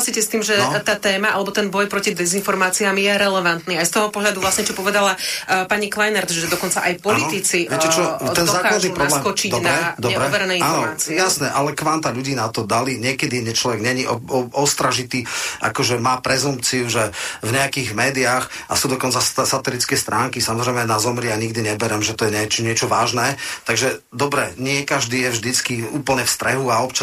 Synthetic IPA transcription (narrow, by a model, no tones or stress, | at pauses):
asiːcɛst̪iːmʒɛt̪aːt̪ɛːmaʔa̰lɛbɔt̪ɛnbɔjpɾɔcid̪ɛzinfɔɾmaːt͡siamjɛɾɛlɛʋant̪niːajst̪ɔɦɔpɔɦʎad̪uvlasɲɛt͡ʃɔpɔʋɛd̪alapaɲiklajnaɾt̪ʒɛd̪ɔkɔnt͡saʔajpɔllit̪it͡siɛɛt͡ʃɔdt̪ɛnɔzaːkkːlad̪niupɾɔablskɔt͡ʃiɟd̪ɔnaɾɛd̪ɔɛbɾɛɔʋɛɾɛnɛjinafnɔɾaːt͡sijasnɛʔalɛkʋamt̪aʎuɟiːnat̪ɔd̪aliɲɪɛkɛd̪iɛɲɛt͡ʃlɔʋɛɡɲɛɲiʔɔɔɔst̪ɾaʒit̪iːʔa̰kɔʒɛmaːpɾɛzump̚t͡siuʒɛvɲɛakiɣmɛːd̪iax | ʔa̰sud̪ɔkɔnt͡sassat̪ɛlit͡skɛst̪ɾʔaːŋkisamɔzɾɛjmɛnazɔmɾɪɛaɲiɡd̪iɲɛbɛɾɛmʒɛt̪ɔjɛɲɛt͡ʃɲɪɛt͡ʃɔʋaːʒnɛːt̪aɡʒɛ | d̪ɔbɾɛɲɪɛkaʒd̪iːjɛvʒd̪it͡skiuːpl̩ɲɛfst̪ɾɛɦuaɔpt͡ʃa